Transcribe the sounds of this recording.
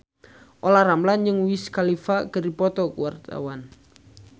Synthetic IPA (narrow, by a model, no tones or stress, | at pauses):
ʔolaramland͡ʒɨŋwiskalifaɡ̥ərdipɔt̪ɔkuwart̪a̰wan